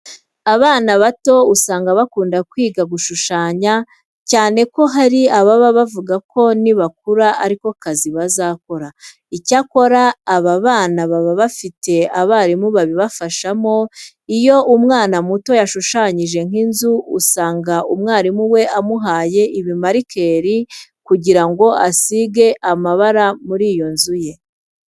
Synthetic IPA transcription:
aβaːnaβato̞usaːŋɡaβakuːndakwiːɡaɡuʃuʃaːɲa | caːne̞ko̞ɦaɾiaβaβaβavuɡako̞niβak̚uɾaaɾiko̞kaziβazako̞ɾa | icako̞ɾaːβaβaːnaβaβaβafite̞aβaːɾimuβaβiβafaʃamo̞ | ijo̞umŋaːnamuto̞jaʃuʃaɲiʒe̞ŋ̥inzuusaːŋɡaumŋaːɾimuwe̞amuɦaːje̞ʔiβimaɾikʰe̞ːɾikuɟiɾaŋɡo̞ʔasiɡe̞ʔamaβaɾamuɾiːjo̞nzuje̞

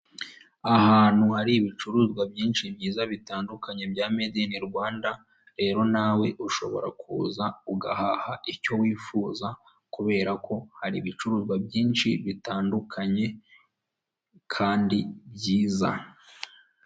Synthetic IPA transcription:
ahaːn̥huhaɾiβit͡ʃuɾuzɡwabjiːnʃimɲiːzaβitaːndukaɲe̞bjaːmediniɾɡwaːnda | ɾe̞ːɾo̞naːwe̞ʔuʃo̞̰βo̞̰ɾa̰kʰuːzauɡa̰hahaʔiɾco̞wiːfuːza | kuβe̞ːɾakʰo̞haɾiβit͡ʃuɾuzɡwabjiːnʃiβitaːndukʰaɲe̞ | kʰaːndibjɟiːza̰

